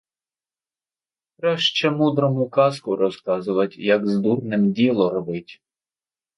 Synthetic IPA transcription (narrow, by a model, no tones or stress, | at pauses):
kɾɑʃt͡ʃɛmud̪ɾɔmʊkɑskʊɾɔskɑzʊʋɐtʲjɐɡzd̪urnɪmdʲilˠɔɾɔʋɪtʲ